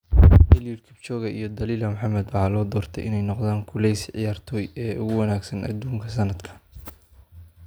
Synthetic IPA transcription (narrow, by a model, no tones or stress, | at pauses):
bɛljʊrkʰɪbt͡ʃɔːɣɐʔijɞd̪ɐliːlɐmʊħɑmɐd̪wɑħɑːlɔːd̪ɔːrt̪ʰɛjʔɪ̰nɛjnɔqd̪aːŋkʰʊlɛjsʕɪ̰jaːrt̪ʰɔːjɛːʊɣʊwɐnaːɡsɐnʔɐ̰d̪uːŋkʰɐsɐnɐd̪kʰɐ̥